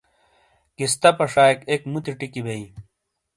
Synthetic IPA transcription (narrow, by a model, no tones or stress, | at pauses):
kist̪ɐpɐʂaːjkekmut̪iʈikibei